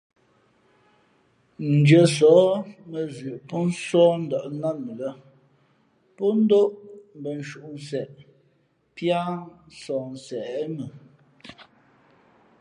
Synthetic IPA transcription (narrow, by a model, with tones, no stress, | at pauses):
n̩˨d͡ʒə˨sɔː˨˦mə˨zʉ˨ʔpɔ˦n̩˦sɔː˦n̩˦dɔ˨ʔna˦mə˨lə˦ | pɔ˦n̩˦do˦ʔm˨bə˨n̩˨ʃu˨ʔu˨n˨sɛ˨ʔ | pja˦n̩˦sɔː˨n̩˨sɛ˨ʔmə˨